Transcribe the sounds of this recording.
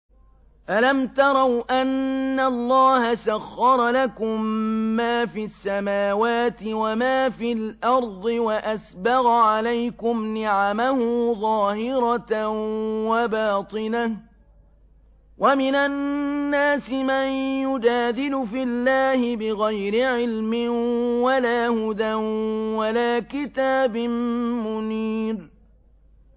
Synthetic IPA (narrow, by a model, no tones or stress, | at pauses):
ʔalamt̪ɑɾˤɑwʔanːalˤːɑːhasaɣːɑɾˤɑlakʊmːaːfisːamaːwaːt̪ɪwamaːfilʔɑɾˤd̪ˤɨwaʔasbɑɣʕalajkʊmnɪʕamahʊðˤɑːhɪɾɑ | wabaːt̪ˤɨnah | wʔamɪnanːaːsɪmajjʊd͡ʒaːd̪ɪlʊfɪlːaːhɪbɪɣajɾɪʕɪlmɪnwalaːhʊd̪anwalaːkɪt̪aːbɪnmʊniːɾ